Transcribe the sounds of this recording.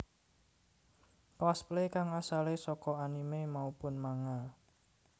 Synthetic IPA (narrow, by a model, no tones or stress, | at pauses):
kwasplekaŋasalesɔkɔanimemaupʊnmaŋa